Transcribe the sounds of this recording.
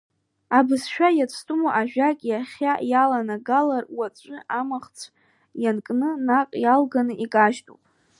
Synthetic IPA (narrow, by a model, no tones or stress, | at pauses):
abɨsʃᶣajat͡sʷʰtʼumoʔaʒᶣakʲʼjaχʲajalanaɡalarwat͡sʷʼɨʔamaχt͡sʷʰ | jankʼnɨnaqʼjalɡanɨʔikʼaʒtʼṵpʼ